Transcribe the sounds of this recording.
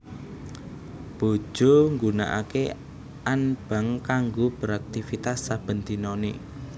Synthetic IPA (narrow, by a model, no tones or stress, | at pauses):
b̥o̤̥ʒ̥o̤ŋɡuna̰ʔa̰kḛ | anb̥a̤ŋkaŋɡob̥ə̤ɾak̚t̪ifit̪asːab̥ə̤nd̪inonḭ